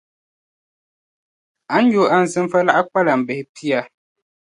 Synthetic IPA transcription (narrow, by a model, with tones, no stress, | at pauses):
a˨˦n̩˦jo˨ʔa˦n̩˨zɨ˦mfə˦la˦ʔa˦k͡pa˦la˨m̩˨bɛ˨hpʰi˦a˦